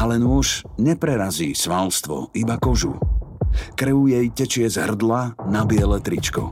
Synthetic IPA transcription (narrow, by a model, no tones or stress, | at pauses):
alɛnʊɔʃɲɛpɾɛɾaziːsʋalst̪ʋɔ̰ibakɔʒṵ | kɾəujɛjcɛt͡ʃɪɛzɦr̩d̪lanabɪɛlɛt̪ɾit͡ʃkɔ̰